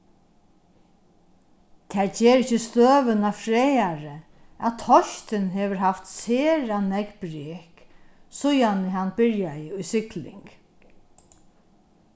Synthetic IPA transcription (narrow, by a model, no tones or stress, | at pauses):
t̪ʰɛːɹd͡ʒɛːɾɪt͡ʃːəst̪øːʋənafɾɛːjaɹə | at̪ʰɔçt̪ɪnɦɛːʋəɹɦaft̪seːɾanɛkbɾeːksʊjanəɦanbɪɹjajɪʊjsɪklɪ̰ŋk